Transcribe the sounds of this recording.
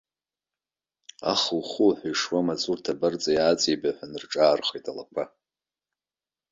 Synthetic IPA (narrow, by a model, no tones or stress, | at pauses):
a̰χəlχuħʷajʂwamat͡sʼurtʰabart͡sʼajaːt͡sʼibaħʷᶣanɨrʈ͡ʂʼaːrχejtʼala̰kʷʰa